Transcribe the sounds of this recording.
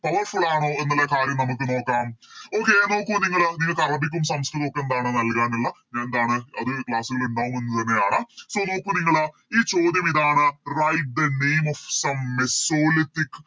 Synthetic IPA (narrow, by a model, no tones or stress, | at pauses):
pɐʋɐrfuɭːaːɳoːe̞nːɐlːekaːɾjɐmnɐmukːɨno̞ːkːaːmo̞ːkːe̞no̞ːkːuniŋːɐɭniŋːɐɭkɐrɐbikʲːumsɐmskɾɨðokːenɐd̪aːɳɨnɐlkaːnilːɐɲaːnnd̪aːɳɨɐðɨkɭaːsuɣɐɭuɳɖaːʋumenːɐt̪ɐnːe̞jaːɳɐso̞ːno̞ːkːuniŋːɐɭɐ | iːt͡ɕo̞ːd̪jɐmiðaːɳɨrɐjʈ̚d̪ɐnejmofsɐmːesoːlit̪ːik